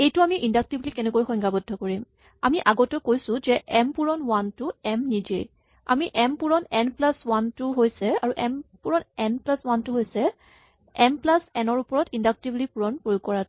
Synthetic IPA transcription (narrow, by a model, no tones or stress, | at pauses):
ejtʊamiʔindak̚tiblikɛnɛkojxɔjŋɡabɔdʱɔkoɹim | amiʔaɡɔtɔkojsʊ̃zɛʔɛmpuɹɔnwantʊɛmnid͡ʒḛj | a̰miʔɛmpuɹɔnɛnplaswantʊɦojsɛaɹuʔɛmpuɹɔnɛnplaswantuɦojsɛ | ɛmplasɛnɔɹupɔɹɔtindak̚tiblipuɹɔnpojukɔɹat